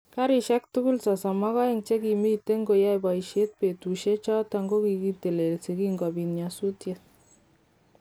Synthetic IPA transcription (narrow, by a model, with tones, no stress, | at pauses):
ka˦ɾi˨ʃɛ˦k̚tu˦ku˦lsɔ˨sɔ˨mɑ˦kɔ˦ɪŋt͡ʃe˦ki˨mi˦te˦ŋɡo˨ja˦jbɔ˨iʃe˦t̚pe˨tu˨ʃe˦t͡ʃɔ˦ta˧ŋɡo˦ki˧ki˧te˨le˨lsi˨kiŋɡɔ˨bi˨nɲa˨su˦tjet̚